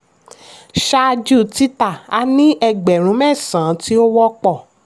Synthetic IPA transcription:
ʃa˦˧d͡ʒu˦˨ti˦ta˦˨a˧˦nĩ˦ʔɛ˧ɡ͡bɛ˨ɾ̃ũ˨˦mɛ̃˦˨sã˨˦ti˦o˦wɔ˦k͡pɔ˦˨

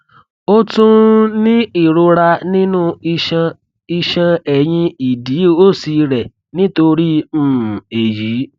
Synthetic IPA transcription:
o˦tũ˦nĩ˦i˦˨ɾo˧ɾa˧nĩ˦nũ˦i˧ʃã˧ | i˧ʃã˧ɛ˨jĩ˧i˨di˨˦o˦si˧ɾɛ˨ | nĩ˦to˧ɾĩ˦˨ | e˨ji˨˦

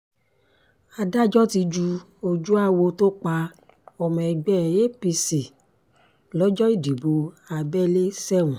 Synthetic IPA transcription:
a˧da˦d͡ʒɔ˦ti˧d͡ʒu˧ | o˧d͡ʒu˦a˦wo˧to˦k͡pa˧ | ɔ˧mɛ̃˧ɛ˧˨ɡ͡bɛ˦˨je˦pi˧si˨ | lɔ˦d͡ʒɔ˦i˦˨di˨bo˨ | a˧bɛ˦le˦sɛ˦˨wũ˨

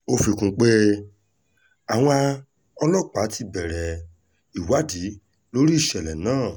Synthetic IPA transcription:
o˧fi˧kũ˧k͡pe˦ | a˨w̃ɔ̃˧a˧ | ɔ˧lɔ˦˨k͡pa˨˦ti˧bɛ˨ɾɛ˨ | i˨wa˨˦di˨˦ | lo˦ɾi˦i˦˨ʃɛ˨lɛ˨nãː˦˨

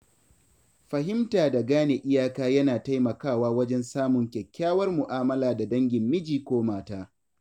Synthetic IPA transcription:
ɸɐ˨ɦɪ˦mtaː˨da˨ɡaː˦ne˨ʔɪ˦jaː˦kaː˦jɐ˦naː˨ta˦jmɐ˨kaː˦˨waː˦wɐ˦d͡ʒɛ˦nsaː˦mʊ˨ŋkʲɛ˨kʲːaː˦wɐ˦rmʊ˨ʔaː˦mɐ˦laː˨da˨dɐ˦ŋɡʲɪ˨mːɪ˦d͡ʒiː˨kʷoː˦maː˦taː˦

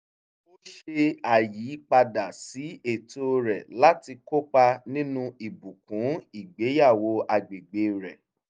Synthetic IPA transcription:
o˦ʃe˧a˨ji˨˦k͡pa˧da˨si˨˦e˦˨to˧ɾɛ˨la˦ti˧ko˦k͡pa˧nĩ˦nũ˧i˨bu˨kũ˨˦i˦˨ɡ͡be˨˦ja˦˨wo˧˦a˨ɡ͡be˨ɡ͡be˨˦ɾɛ˨

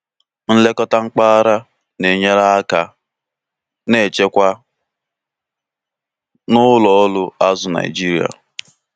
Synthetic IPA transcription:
n̩˦le˦kɔ˦ta˦ŋ͡m̩˦k͡pa˦a˦ɾa˦ | ne˨ɲe˦ɾa˦a˦ka˦ | ne˦˨t͡ʃe˦kʷa˦ | nʊ˦lɔ˨ɔ˦lʊ˦a˦zʊ˨na̰˨ɪ˨d͡ʒi˦ɾi˨a̰˨

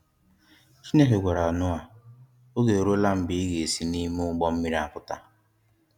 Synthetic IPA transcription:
t͡ʃi˦ne˦ɦe˨ɡʷa˨ɾa˨ɔ˨nʊ˦a˨ | o˦ɡe˨o˨ɾo˦la˦m̩˦bɪ˦i˦ɣe˨si˦ni˦mu˦ʊ˦ɡ͡bɔ˦m̩˦mi˦ɾi˦a˦kʊ˦ta̰˦

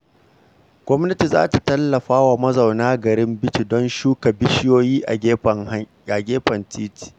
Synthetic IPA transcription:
ɡ̥ʷɔ˦mnɐ˦ti˨za̰ː˦ta˨tɐ˦lːɐ˨ɸaː˦wa˨mɐ˦za˨wnaː˦ɡɐ˨ɾɪ˦mbɪ˦t͡ʃi˦˨dɔ˦nʃuː˦ka˨bɪ˦ʃɪ˦joː˦jiː˦ʔa˨˦˨ŋ˦ | a˨ɡʲeː˦ɸɐ˨ntiː˦ti̥ː˨

